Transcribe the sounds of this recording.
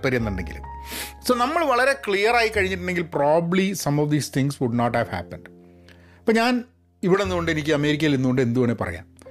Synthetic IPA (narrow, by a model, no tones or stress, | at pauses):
pːɐɾijenːuɳɖe̞ŋɡḭl̰soːnɐmːɐɭʋɐɭɐɾe̞kɭijɐraːjikːɐɻiɲːiʈːuɳɖe̞ŋɡilpraːbbbblisɐmɔʋd̪iːst̪ʰiŋɡsʋuɖnoːʈhæːʋhæ̰ːpːɐɳɖ | pːoːɲaːn | iʋiɽenːuɣo̞ɳɖɨe̞nikʲːɨɐme̞ːɾikʲːɐjilenːuɣo̞ɳɖɨe̞nd̪uɣɐɳːepɐ̰rɐ̰ja̰ːm